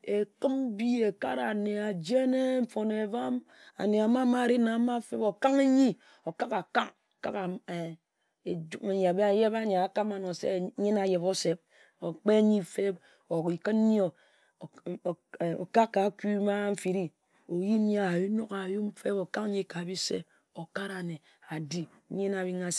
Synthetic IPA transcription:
e˨kɨ˦m˦bi˦e˨ka˦ɾa˨ne˨a˨d͡ʒe˦ne˦m̩˦fo˨ne˨va˦m | a̰˨ne˨a˨ma˦ma˦ɾi˦na˨˦ma˦fe˦bo˨ka˦ŋe˦ɲi˦ | o˨ka˦ka˨ka˦ŋ˨ka̰˦ka˨e˨ | e˨d͡ʒu˦me˨ɲ˨a˨be˦a˨je˦ba˦ɲe˨a˨ka˦ma˨no˨sḛ˦˨˦ɲi˦na˨je˨bo˦se˨b̚ | o˨k͡pe˦ɲi˦˨fe˦b | o˨ki˨kə˦n˦ɲi˦o˦˨ | o̰˨ka˦kːa˨˦ku˦ma˦ɱ̩˦fi˨ɾi˦ | o˨ji˦a˨ju˦no˦ka˨ju˦m̩˦fe˦bo˨ka˦kɲi˦ka˨bi˦sḛ˦ | o˨ka˦ɾa˨ne˨ | a˨di˦ | ɲi˦na˨bi˦ŋa˨

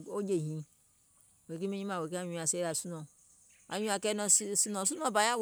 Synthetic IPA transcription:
o˦d͡ʒe˨ɦĩ˨˦˨ | we˨ki˦me˦ɲĩ˦ma˨we˨k̬e˦a˦ɲũ˦˨a˨se˦ɾa˨su˦no˨ | a̰˨ɲũ˦a˨kɛ˦nɔ˨˦su˦nõ˨s̬u˦nõ˦˨ba˨ja˦w

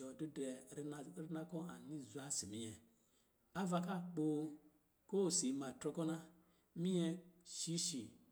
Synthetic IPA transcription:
ɔ˨du˦dɛ˨˦n˨ɾi˦na˦kɔ˦a˨ni˦zu˨˦a˦si˨mi˦ɲɛ˨ | a˦va˧ka˦˨k͡po˨ | ko˦˨si˨ma˨tɾɔ˧kɔ˦na˦ | mĩ˦ɲɛ˧ʃi˦ʃi˨

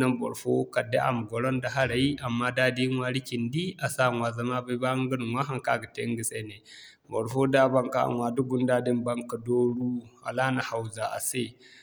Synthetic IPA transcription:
na˦mbɔ̰˨ɾfo˦ka˨dḛ˦ʔa̰˨m˨ɡɔ˨ɽɔ˦nda˨ɦa˦ɽa˨ji˦ʔa˨mːa˦da˦di˦ŋwa˨ɽi˦kʲi˨ndi˦a˨sa˦˨ŋwa˨za˨ma˦ba˦ba˦ŋɡə˦n˨wa˦ɦa˨ŋka˦˨ɡa˨te˦ŋɡi˨se˦ne˨ | bɔ˨ɾfo˦da˦ba˦ŋka̰˦ʔa̰˨ŋwa˨du˦ɡu˦nda˦di˦mba˦ŋka˨do˦ɽu˦a̰˨la˦na˨ha˨wza˨ʔa̰˨se˦˨

